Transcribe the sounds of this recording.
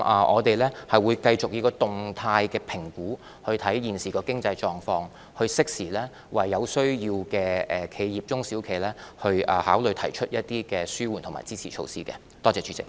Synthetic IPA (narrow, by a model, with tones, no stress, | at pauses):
ʔaː˨˩ʔɔː˨˧t̪e˨jlɛː˥hɐ˨jwuː˨˧jkɐ˧jt͡sʊ˨k̚jiː˨˧kɔː˧t̪ʊ˨˩ŋt̪ʰaː˧jkɛː˧pʰɪ˨˩ŋkuː˨˥ | hɵ˧ɥt̪ʰɐ˨˥jjiː˨˩nsiː˨kɔː˧kɪ˥ŋt͡sɐ˧jt͡ʃɔː˨ŋfɔː˧ŋ | hɵ˧ɥsɪ˥k̚siː˨˩lɛː˥ | wɐ˨˩jːɐ˨˧wsɵ˥ɥjiː˧wkɛː˧ɛː˨˩kʰe˨˧jjiː˨p̚t͡sʊ˥ŋsiː˨˥wkʰe˨˩jlɛː˥hɵ˧ɥɐː˨haː˨˥wlɵ˨˧ɥt̪ʰɐ˨˩jt͡ʃʰɵ˥t̚jɐ˥t̚t̪iː˥kɛː˧syː˥wuː˨˩ntʰʊ˨˩ŋma̰˨jt͡siː˥t͡sʰiː˨˩t͡ʃʰo̰˧wsiː˥kɛ̰˧ | t̪ɔː˥t͡sɛː˨˧t͡ʃʰyː˧˥t͡sɪ̰˨k̚